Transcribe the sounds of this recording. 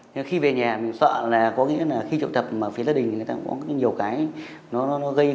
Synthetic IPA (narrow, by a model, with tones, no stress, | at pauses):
ɲɨ˧xi˧ve˨˩ɲaː˨˩mï˨˩ŋ̟sə̰ː˧˨nlaː˨˩kɔ˨˦ŋḭ˧˥əlaː˨˩xi˧t͡ɕṵ˨˧˨wt̪ə˨˩p̚maː˨˩fi˨˦ləː˧˦˥ɗï˨˩ŋ˨˩j̪t̪aː˧˦kɔ̰˨˦kɲi˨˩əwkaː˨˦jnɔ˨˦nɔ˨˦nɔ˨˦ɣə˧j